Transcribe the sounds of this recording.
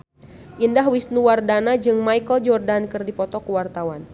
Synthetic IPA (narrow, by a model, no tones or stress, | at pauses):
ʔindaɦwisnuwardanad͡ʒɨŋmajkəld͡ʒɔrdankɨrdipɔt̪ɔkəwart̪awan